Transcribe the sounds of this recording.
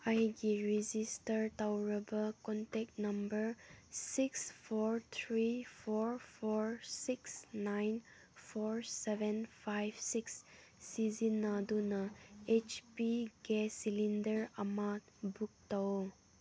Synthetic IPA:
ajɡiɾizistəɾtawɾəbəkɔntɛk̚tnɐmbəɾsikspʰɔɾt̪ʰɾipʰɔɹpʰɔɹsiksnajn | pʰɔɹsebenpʰajbsiksː | izinːadunɐet͡ʃpiɡesilindəɾamatbuk̚taw

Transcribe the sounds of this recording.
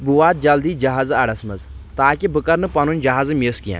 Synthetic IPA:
buʋaːt̪̚d͡ʒɐld̪iːd͡ʒɐɦaːzaɽɐsmɐzt̪aːkibɨkɐɾnɨpɐnunʲd͡ʒɐɦaːzɨmeskija̰ː

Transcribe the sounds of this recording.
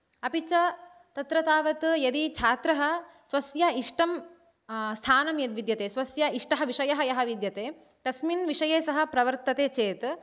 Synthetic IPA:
ɐpit͡ʃɐ | t̪ɐt̪ɾɐt̪aːʋɐt̪jɐd̪it͡ʃʰaːt̪ɾɐɦɐ̆ | sʋɐsjɐiʂʈɐm | st̪ʰaːnɐmjɐd̪ʋid̪jɐt̪eːsʋɐsjɐiʂʈɐɦɐʋiʂɐjɐɦɐjɐɦɐʋid̪jɐt̪eː | ʈ̪ɐsminʋiʂɐjeːsɐɦɐ̆pɾɐʋɐɾt̪ɐt̪eːt͡ʃeːt̪

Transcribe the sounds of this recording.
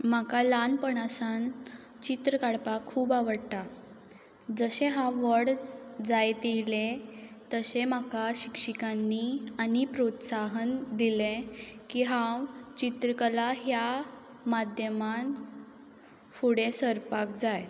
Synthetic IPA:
m̤akalanpəɳasan | t͡ɕit̪ɾəkaɽpakʰːuːbaʋəɽt̪a | d͡zəɕẽɦãʋəɽd͡zajt̪ilet̪əsem̤akaɕikʂikanːianipɾot̪saɦənd̪ilekiːɦãwt͡ɕit̪ɾəkəlaɦja | mad̪ʱjəman | fuɽesəɾpakd͡zaj

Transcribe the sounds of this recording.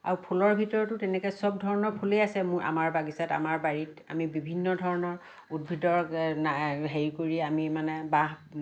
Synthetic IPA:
a̰ɹupʰulɔɹbʱitɔɹɔtʊtɛnɛkɛsɔb̚dʱɔɹɔnɔɹpʰulejasɛmʊɹʔa̰maɹbaɡisata̰maɹbaɹita̰mibibʱinːɔdʱɔɹɔnɔɹ | udbʱidɔɹaɦeɹikoɹiamimanɛbaɦ

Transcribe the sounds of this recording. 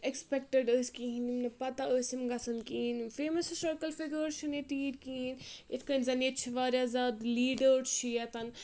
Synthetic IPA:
ekspɛk̚ʈəɖəːsʲkiɦinimnɐpɐt̪aosimɡɐsɐnkiɦinfeːmɐssɐɾkəlfiɡəɾʃʰunet̪iːɾkiɦinet̪ʰkənzɐnet̪t͡ʃʰiʋaːɾjazaːd̪liːɖəɾt͡ʃʰijɐt̪ɐn

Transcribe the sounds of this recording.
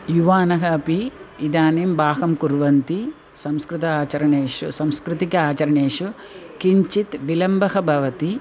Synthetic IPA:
juʋaːnɐɦɐːpiid̪aːneːmbʱaːɦɐmkuɾʋɐnt̪i | sɐmskɾɪt̪ɐaːt͡ʃɐɾɐɳeːʂusɐmskɾɪt̪ikɐaːt͡ʃɐɾɐɳeːʂu | kiɲt͡ʃit̪ʋilɐmbʱɐɦɐbʱɐʋɐt̪i

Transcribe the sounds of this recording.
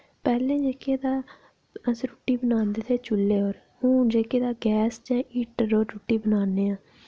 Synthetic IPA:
pɛːlẽːd͡ʒeːkeːd̪aː | əsɾuːʈiːbənaːnd̪eːt̪ʰeːt͡ʃʊlːeːoːɾ | hũːd͡ʒeːkeːd̪aːɡɛːsd͡ʒãːʔiːʈəːoːɾuːʈːiːbənaːneːãː

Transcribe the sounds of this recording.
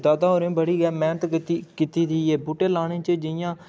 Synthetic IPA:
d̪aːd̪aːɦoːɾẽːbəɽiːɡɛːmɛːnət̪t̪ikit̪iːd̪iːeːbuːʈeːlaːɽ̃ẽːt͡ʃed͡ʒɪjãː

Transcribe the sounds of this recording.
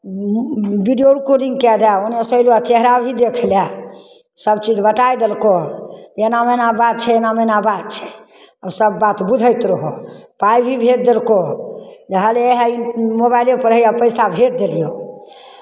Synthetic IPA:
biɖioɽkoɾiŋɡkɛd͡ʒaonesəjluat͡ʃeɦɾabʱid̪ekʰlja | səbt͡ʃid͡ʒbət̪ajd̪elkoenamenabat̪̚t͡ʃʰɛenamenabat̪̚t͡ʃʰɛ̥ | əsəbːat̪bud̪ʱəjt̪ɾəɦopajbʱibʱet̪̚d̪elkod͡ʒeɦəleeɦaimoβajlepəɾɦəjapəjsabʱet̪̚d̪elijo

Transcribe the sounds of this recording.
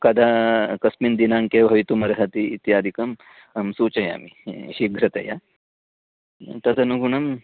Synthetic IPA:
kɐd̪ʱakɐsmind̪inaŋkebʱɐʋit̪umɐɾɐɦɐt̪iːt̪jaːd̪ʱikɐm | msuːt͡ʃɐja̰miɕiɡʱɾɐt̪ɐja̰ | t̪ɐd̪ʰɐnuɡuɳɐm

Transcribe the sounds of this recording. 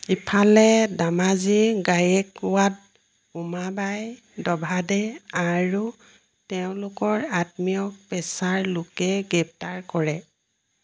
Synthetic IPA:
ipʰalɛdamaziɡajɛkwat̚ | umabaj | dɔbʱadɛaɹu | tɛʊ̃lʊkɔɹatmijɔk̚pɛsaɹlʊkɛɡɹɛp̚taɹkɔɹɛ

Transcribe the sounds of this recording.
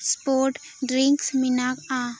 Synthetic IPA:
spoɾʈ | ɖɾiŋksminaka

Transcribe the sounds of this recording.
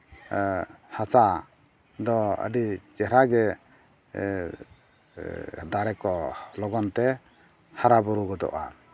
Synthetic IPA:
hasa | d̪ɔə̰ɖit͡ʃɛɾaɡɛ | d̪aɾɛkɔlɔɡɔnt̪ɛ | haɾabɔɾuɡɔd̪ɔ̰ʔa̰

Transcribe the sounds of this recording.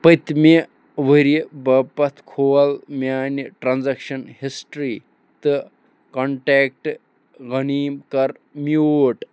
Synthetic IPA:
pɐt̪me | ʋəɾibɐpɐt̪ʰkʰoːlmjaːniʈɾanzɐkʃɐnhisʈɾiː | t̪ɨ | koɳʈeːk̚ʈ | ɣɐniːmkɐɾ | mjoːʈ

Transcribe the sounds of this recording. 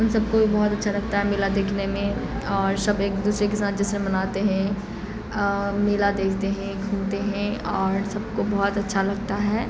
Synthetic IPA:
ɦɐmsɐb̚kobʱibɔɦʊt̪ɐtːʃʰalɐɡ̚t̪aɦɛmeːlad̪eːkʰnemẽɔːɾsɐbeːk̚d̪uːsɾekesaːt̪̚d͡ʒɛsɾẽmɐnaːt̪eɦɛ̃ | meːlad̪eːkʰt̪eɦɛ̃kʰuːnt̪eɦɛ̃ɔːɾsɐb̚kobɔːt̪ɐtːʃʰalɐɡt̪aɦɛː

